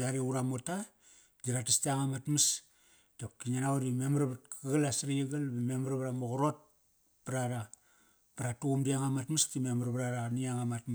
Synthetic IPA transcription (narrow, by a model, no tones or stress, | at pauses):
aɾiuɾamota | d͡ʒiɾatistiaŋamatmas | dap̚kiɲanawuɾimemɾβat̚kaɡalasɾiiɡalbememaɾβɾamuɣɾot̚ | pɾaɾa | paɾatuumdiaŋamatmastimemaɾbɾaɾaniaŋamatm